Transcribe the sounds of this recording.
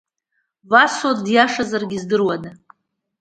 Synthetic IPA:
vasodjaʂazarɡʲizdɨrwada

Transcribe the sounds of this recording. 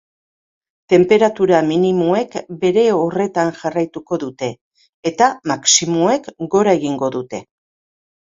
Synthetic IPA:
t̪e̞mpe̞ɾat̪uɾaminimoe̞kbe̞ɾe̞o̞re̞t̪anʝarajt̪uko̞ðut̪e̞ː | t̪amaksimoe̞kɡo̞ɾae̞ɣ̞iŋɡo̞ðut̪e̞

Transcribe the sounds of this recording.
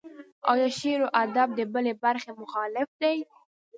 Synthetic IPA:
a̰wj̪aʃeɾoʔad̪ab̚d̪əbəlebaɾxemʊxɑlɪfd̪aj

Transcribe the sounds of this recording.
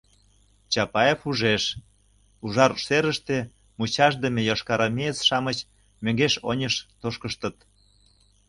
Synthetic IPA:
t͡ɕɑpɑefuʒeʃ | uʒɑrʃeɾəʃt̪e | mut͡ɕɑʃd̪əmʲejɑʃkɑɾɑmʲeət͡sʃɑmət͡ɕ | møŋɡeʃonʲəʃt̪oʃkəʃt̪ə̆t̪

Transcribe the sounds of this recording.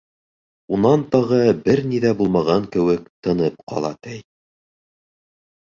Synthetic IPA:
unɑnt̪ɑʁɤbɘɾniðæbulˠmɑʁɑŋkɘ̆wɘkt̪ɤ̆nɤpqʰɑ̰lˠɑ̰t̪æj

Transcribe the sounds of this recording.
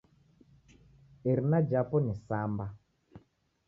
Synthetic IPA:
eɾinad͡ʒapɔnisamba

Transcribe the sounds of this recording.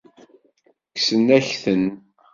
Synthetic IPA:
ksənæçθən

